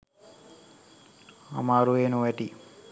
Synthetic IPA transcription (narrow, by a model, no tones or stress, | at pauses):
a̰maːɾueːnuʋɛʈi